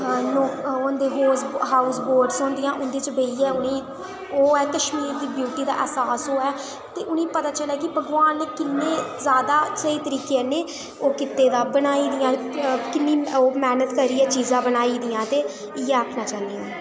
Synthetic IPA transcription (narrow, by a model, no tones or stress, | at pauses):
noːkond̪eːɦoːsɦaːusboːɾɖsõːnd̪ɪjãːʔʊnd̪eːt͡ʃbeiːɛːʊnẽː | oːɛːkəʃmiːɾd̪iːbjuːʈiːd̪a̰ːʔɛsaːsoːɛː | t̪eːʔʊnẽːpət̪aːt͡ʃəlɛːkɪbʱəɡʋaːnkɪnːẽːzaːd̪aːsəiːt̪əɾiːkeɛːneː | oːkɪt̪ːeːd̪aːbənaːiːd̪ɪjãːkɪnːiːoːmɛːnət̪kəɾiːɛːt͡ʃiːzãːbənaːiːd̪ɪjãːt̪eː | ɪjɛːəkʰnaːt͡ʃaːɦnd̪ijãː